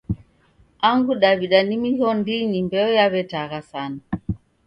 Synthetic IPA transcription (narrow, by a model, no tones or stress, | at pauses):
aŋɡuɗaβiɗanimihɔndinimbɛɔjaβɛtaɣasana